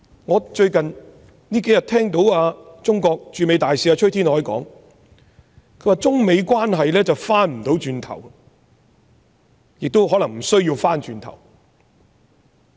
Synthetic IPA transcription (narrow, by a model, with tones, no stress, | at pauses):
ŋɔː˨˧t͡ʃɵ˧ɥkɐ˨n | niː˥ke˨˥jɐ˨t̚t̪ʰɛː˥ŋt̪o˨˥waː˧t͡sʊ˥ŋkɔː˧k̚t͡ʃyː˨˧me˨˧jt̪aː˨jsiː˧˥aː˧t͡ʃʰɵ˥ɥt̪ʰiː˥nhɔː˨˥jkɔ̰ː˨˥ŋ | kʰɵ˧˥waː˨˧t͡sʊ˥ŋme˨˧jkwaː˥nɦɐ˨jlɛː˥t͡sɐ˨wfaː˥nm̩˨˩t̪o˨˥wt͡ʃyː˧nt̪ʰɐ̰˨˩w | jɪ˨k̚t̪o˥wɦɔː˨˥lɐ˨˩ŋm̩˨˩sɵ˥ɥjiː˧wfaː˥nt͡ʃyː˧nt̪ʰɐ̰˨˩w